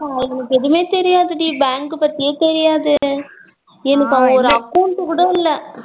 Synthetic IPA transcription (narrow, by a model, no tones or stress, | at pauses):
aːɛnɐkːɛðɯmeːt̪ɛɾɪjaːðɯɽibaːŋkɯpɐt̪ːɪjeːt̪ɛɾɪjaːðɯ | ɛnɐkːɐʋɐɔɾɯɐkːɐʊɳʈːɯkuːɽɐɪlːɛ